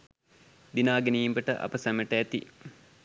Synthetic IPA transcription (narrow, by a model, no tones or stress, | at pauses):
d̪inaːɡenijimbəʈə̰ʔa̰pəsæməʈəæt̪ḭ